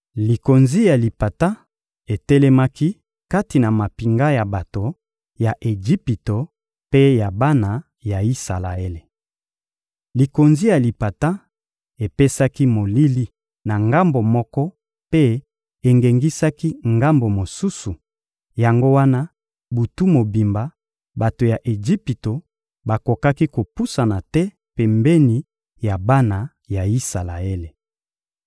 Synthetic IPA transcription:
li˨ko˨nzi˦ja˨li˨pa˨ta˦ | e˨tɛ˦lɛ˦ma˦ki˦ | ka˦ti˨na˨ma˨pi˨ŋɡa˦ja˨ba˨to˨ | ja˨ʔe˨d͡ʒi˦pi˨to˨ | pe˦ja˨ba˦na˨ | ja˨i˦sa̰˨la̰˨e˦le˨ | li˨ko˨nzi˦ja˨li˨pa˨ta˦ | e˨pe˦sa˦ki˦mo˨li˦li˦ | na˨ŋɡa˦mbo˨mɔ˦kɔ˦ | pe˦ | e˨ŋɡe˨ŋɡi˦sa˦ki˦ŋɡa˦mbo˨mo˨su˦su˨ | ja˨ŋɡo˦wa˦na˦ | bu˨tu˦mo˨bi˨mba˨ | ba˨to˨ja˨ʔe˨d͡ʒi˦pi˨to˨ | ba˨ko˨ka˦ki˦ko˨pu˦sa˨na˨tɛ˦ | pe˨mbɛ˦ni˨ | ja˨ba˦na˨ | ja˨i˦sa˨la˨e˦le˨

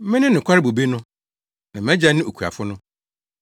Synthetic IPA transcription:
mɪ̃˦nɪ̃˦nɪ̃˨kʰʷa˦ɾɪ˦bo˨be˦nʊ̃˦ | nã˨m˨æ̃˦d͡ʑa˦nɪ̃˦o˨kʰu˨a̰˨fʊ˦nʊ̃˦

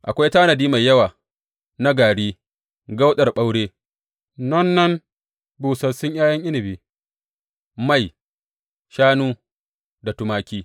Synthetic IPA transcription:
ʔa˨kʷa˦jtaː˦nɐ˨diː˦ma˨jːɐ˦waː˨ | na˦ɡaː˨ɽiː˦ | ɡa˦wɗɐ˨rɓa˦wɽeː˦ | nɐ˦nːɐ˦n | buː˨sɐ˨sʊ˦ɲjaː˦jɐ˦ŋʔɪ˦nɪ˨biː˦ | ma˦˨j | ʃaː˦nuː˦ | da˨tʊ˦maː˦kʲiː˦

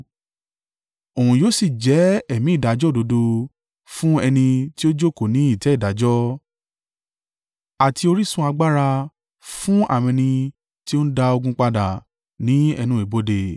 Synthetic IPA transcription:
o˨hũ˨joː˨˦si˦˨d͡ʒɛ˨˦ɛ˦˨mĩ˨˦˨da˨˦d͡ʒɔ˦˨do˨˧˦do˧ | fũ˦ɛ˧nĩ˧ti˦o˦d͡ʒo˦˨ko˦˨nĩ˨˦i˦˨tɛ˨˦i˦˨da˨˦d͡ʒɔ˦ | a˨ti˧o˧ɾi˦sũ˧˦a˧ɡ͡ba˦ɾa˧ | fũ˦a̰˦˨mɛ̃˧nĩ˧ | ti˦o˦n̩˦da˧o˧ɡũ˧k͡pa˧da˨ | nĩ˨˦ɛ̰˧nũ˧˦i˨bo˨˦de˨

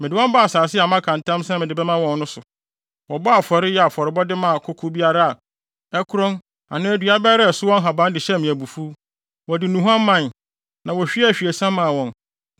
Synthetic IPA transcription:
mɪ˨dɪ˨wɔ̃˦m˦ba˦a˨saː˨sɪ˦a˨mã˦kʰã˨n˨tʰã˦msɛ̃˦mɪ̃˨dɪ˨bɛ˦mã˦wɔ̃˦nnʊ̃˦sʊ˨ | wɔ˨bɔ˦a˨fɔ˨ɾɪ˦jɛ˦a˨fɔ˨ɾɪ˨bɔ˦dɪ˦mã˨kʰʊ˦kʰu˦bi˦a˦ɾa˦a˨ | ɛ˦kʰʊ˦ɾɔ̃˦n | a̰˨nã˦æ˨dɥa˦bɛ˦ɾɛ˦˨sʊ˦wɔ̃˦n˦ɦa˨bã˦n˦dɪ˨ɕɛ˦mĩ˨æ˨bu˨fu˦ | wɔ˨dɪ˨nũ˨ɦã˦mː˦ã˦n | nã˨wɔ˨ɕᶣi˦ɛ˦˨ɕᶣi˨e˨sã˦mã˨wɔ̃˨n

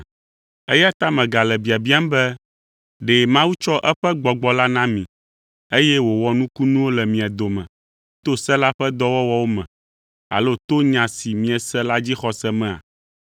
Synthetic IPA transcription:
e˦ja˦t̪a˦mɛ̃˨ɡa˨lɛ˨bi˨a˨bi˦a˦m˦bɛ˦ | ɖɛ˨mã˦wu˦t͡ʃɔ˦ʔɛ˦ɸɛ˦ɡ͡bɔ˨ɡ͡bɔ˨la˦nã˦mĩ˨ | e˦jɛ˦wo˨wɔ˦nũ˦ku˦nũ˦wo˦lɛ˨mĩ˨a˨d̪o˨mɛ̰̃˨ | t̪o˦sɛ̃˦la˦ɸɛ˦d̪ɔ˦wɔ˦wɔ˦wo˦mɛ̰̃˨ | a̰˨lo˦t̪o˦ɲã˨si˨mĩ˨˦ɛ˨sɛ˦la˦d͡ʑi˦xɔ˨sɛ˦mɛ̃˦a̰˨

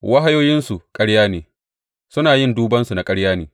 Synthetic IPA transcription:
wa˦ɦa˦joː˦jɪ˦nsu˨kʼɐ˦ɽjaː˦neː˨ | sʊ˦naː˨jɪ˦nduː˦bɐ˦nsu˨na˨kʼɐ˦ɽjaː˦neː˨

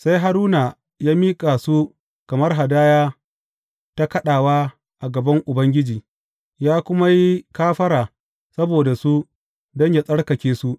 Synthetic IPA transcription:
sa˦jɦa˦ɾuː˦na˨ | jaː˦miː˦kʼa˨su˦ | kɐ˨mɐ˦rɦa˨daː˦jaː˦ | ta˦kɐ˦ɗaː˨waː˦ | ʔa˨ɡɐ˨bɐ˦ŋʔʊ˨bɐ˦ŋɡʲɪ˦d͡ʒiː˨ | jaː˦kʷʊ˦ma˦ji˦kaː˦ɸɐ˦ɾaː˨ | sɐ˦boː˨da˨su˦ | dɔ˦ɲja˨sʼɐ˦ɽkɐ˨kʲeː˦su˦ʔ

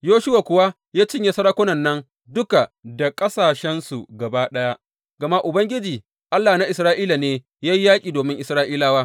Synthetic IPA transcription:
joː˦ʃʊ˦wa˨kʷʊ˨wa˦ | jaː˦t͡ʃɪ˦ɲja˨sɐ˦ɽa˦kʷʊ˦nɐ˨nːɐ˦n | dʊ˦ka˨da˨kʼɐ˦saː˨ʃɛ˦nsu˨ɡɐ˨baː˦ɗɐ˦ja˦ʔ | ɡ̥ɐ˨ma˦ʔʊ˨bɐ˦ŋɡʲɪ˦d͡ʒiː˨ | ʔa˦lːaː˨na˦ʔɪ˨sɾaː˦ʔiː˦la˨neː˦ | jaː˦ji˦jaː˦kʲʼiː˨doː˨mɪ˦ŋʔɪ˨sɾaː˦ʔiː˦laː˦waː˦

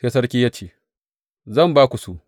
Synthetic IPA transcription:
kɐ˦s̬ɐ˦rkʲi˦jɐ˦t͡ʃeː˨ | zɐ˦˨mbaː˦kʷu˨su˨ʔ

